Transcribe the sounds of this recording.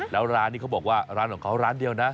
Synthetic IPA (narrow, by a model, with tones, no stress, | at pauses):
lɛː˦˥wɾaː˦˥nːiː˥˩ka˦˥bɔː˨˩k̚waː˥˩ɾaː˦˥nkʰɔ˨˩˦ŋkʰa˦˥wɾaː˦˥ndi˧əwna˦˥